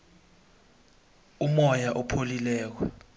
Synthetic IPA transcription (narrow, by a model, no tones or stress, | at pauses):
umɔjaʔɔpʰolilɛːk̬wɛ